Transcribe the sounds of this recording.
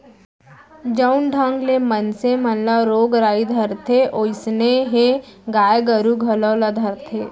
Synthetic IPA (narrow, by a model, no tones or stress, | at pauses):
d͡ʒəʊnɖʱãŋɡlemənsemɐnlaɾoːɡɾaːid̪ʱəɾt̪ʰeʔoːɪsneɦeɡaːjɡəɾuɡʱɐlɔlad̪ʱəɾt̪ʰeː